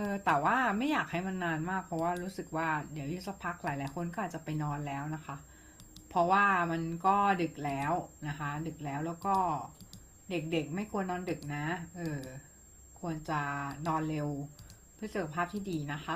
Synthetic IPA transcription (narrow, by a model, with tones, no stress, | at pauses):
ʔɤː˧t̪ɛː˨˩waː˥˩ma˥˩jaː˨˩k̚ha˥˩jma˧nːaː˧nmaː˥˩k̚pʰɾɔ˦˥waː˥˩ɾuː˦˥sɯ˨˩k̚waː˥˩di˨˦əwju˧˦˥t̪̚sa˦˥pʰa˦˥k̚laː˨˦jlaː˨˩˦jkʰo˧nkɔː˥ʔaː˨˩t̚t͡ɕa˨˩pa˧jnɔː˧nlɛː˦˥wna˦˥kʰa˦˥ʔ | pʰɾɔ˦˥waː˥˩ma˧nkɔː˥˩dɯ˨˩k̚lɛː˦˥wna˦˥kʰa˦˥dɯ˨˩k̚lɛː˦˥wlɛː˦˥wkɔː˥˩ | de˨˩k̚de˨˩k̚ma˥˩jkʰu˧ənːɔː˧ndɯ˨˩k̚na˦˥ʔɤː˧˩ | kʰu˧ənt͡ɕa˨˩nɔː˧nle˧w | pʰɯ˥˩sa˨˩kʰa˧pʰaː˥˩p̚t̪ʰiː˥˩diː˧na˦˥kʰa˦˥